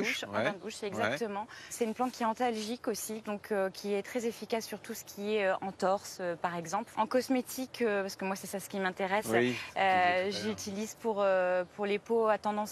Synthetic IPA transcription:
uʃɑ̰̃ɛ̃d̪buʃɛɡzak̚t̪əmɑ̃sɛt̪ynplɑ̃t̪̚kʲiɛɑ̃t̪alʒikosid̪ɔ̃kʰøkʲʰiɛt̪χɛzefikasːyʁt̪usə̥kʲʰiɛøʔɑ̃t̪ɔʁsøpaʁɛɡzɑ̃plɑ̃kɔsmet̪ʰikøpaʁsə̥kəmwasɛsasə̥kʲimɛ̃t̪eʁɛsiøʒyt̪ʰilizpuʁøpʰuʁlepoat̪ɑ̃d̪ɑ̃s

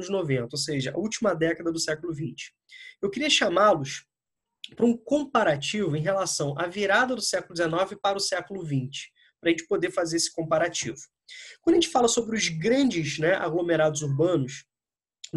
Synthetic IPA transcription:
ʊd͡ʒɪnovẽnt̪ɐowseʒɐʔa̰uwt͡ʃimɐd̪ɛkɐd̪ɐd̪ʊsɛkʊlʊvĩnt͡ʃɪ̥ | ewkɪɾiɐʃamalʊs | pɾɐũkõpaɾat͡ʃivʊẽj̃ɦelasɐ̃w̃ɐviɾad̪ɐd̪ʊsɛkʊlʊd͡ʒɪzenɔvɪpaɾʊsɛkʊlʊvĩnt͡ʃɪ̥ | pɾɐʒẽt͡ʃɪ̥pod̪eɾfazeɾesɪ̥kõpaɾat͡ʃḭvʊ | kw̃d̪ɐʒẽt͡ʃɪ̥falɐsobɾɪʊzɡɾɐ̃nd͡ʒɪznɛʔa̰ɡlomeɾad̪ʊzuɾbɐ̃nʊs

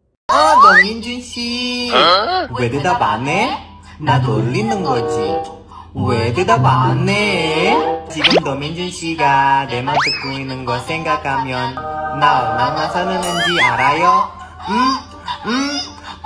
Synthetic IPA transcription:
anʌmind͡ʑɯnɕʰi | we̞dɯdabane | nadoʎːinɯnɡʌd͡ʑi | wedɯdamane | t͡ɕiɡɯmnʌmind͡ʑɯnɕʰiɡane̞matɯk͈oinɯnɡʌsʰe̞ŋɡakʰamjʌnːaʌmaŋasʰanɯnɯnd͡ʑiaɾajo | ɯ | ɯ

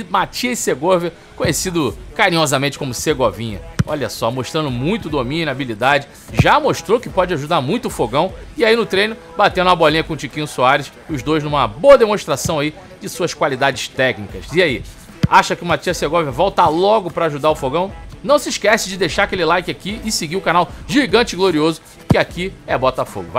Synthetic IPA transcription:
mat͡ʃiɐseɡoviɐ | kõɲesid̪ʊkaɾĩɲɔzɐmẽnt͡ʃɪ̥kõmʊseɡɔvĩɲɐ̰ɔ̰ʎɐsɔmoʃt̪ɾɐ̃nd̪ʊmũj̃t̪ʊd̪omĩniabilid̪ad͡ʒɪ | ʒamoʃt̪ɾokɪpɔd͡ʒɪaʒud̪aɾmũj̃t̪ʊʊfoɡɐ̃w̃ɪainʊt̪ɾẽj̃nʊ | bat̪ẽnd̪ʊũɐbɔlĩɲɐkõʊt͡ʃikĩnʊsuaɾɪʃ | ʊʒd̪ojznũmɐboɐd̪emõʃt̪ɾasɐ̃w̃ai | d͡ʒɪsuɐskwalid̪ad͡ʒɪʃt̪ɛknikɐsiai | aʃɐkɪʊmat͡ʃiɐseɡɔvjɐvɔwt̪alɔɡʊpɾɐaʒud̪aɾʊfoɡɐ̃w̃nɐ̃w̃sɪʃkɛsɪd͡ʒɪd̪ejʃaɾakelɪlajkɪakiɪsɪɡiʊkanawʒiɡɐ̃t͡ʃɪɡloɾiozʊ | kɪakiɛbɔt̪ɐfo̰ɡʊv

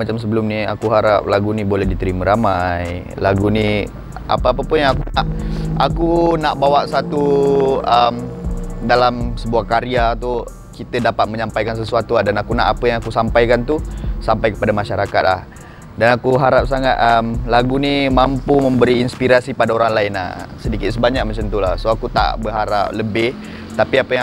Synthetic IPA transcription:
mat͡ʃamsəbəlʊmnia̰kuɦaɾa̰p̚laɡunibolɛhdit̪əɾiməɾamaj | laɡuni | a̰pəapəpʊnjaŋakunaʔʔakunaʔbawaʔsat̪uəmdalamsəbuahkaɾiat̪u | kit̪ədapat̪̚məɲampajkans̬əsuat̪uadanakuna̰ʔapəjãŋakusampajkant̪usampajkəpadamaʃaɾaka̰t̪̚la̰h | danakuɦaɾap̚saŋat̪̚əmlaɡunimampuməmbəɾiːnspiɾasipadaoɾaŋlaɪna̰sədikɪt̪̚səbaɲak̚mat͡ʃamt̪ula̰hsoakut̪a̰ʔbəɦaɾa̰p̚ləbɪh | t̪apiapəja

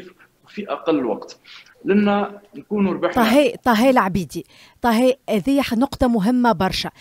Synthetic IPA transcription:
f | wfiʔɑqɑlːwɑ̰qt̪ | lʔɪnːænkuːnulbaħt̪ˤɑɦɛt̪ˤɑɦɛlʕbiːd̪i | t̪ˤɑɦɛhæðɪjːħnʊqt̪ˤɑmʊɦɪmːæbɑɾˤʃæ

